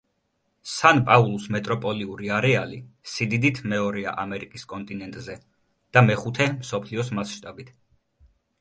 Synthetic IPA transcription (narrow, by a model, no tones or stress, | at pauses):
sanpʼaulˠusmɛt̪ʼɾɔpʼɔliuɾiaɾɛalisid̪id̪it̪ʰmɛɔɾɛa̰ʔamɛɾikʼiskʼɔnt̪ʼinɛnt̪ʼzɛ | d̪̥amɛχut̪ʰɛmsɔpʰliɔsmasʃt̪ʼabit̪ʰ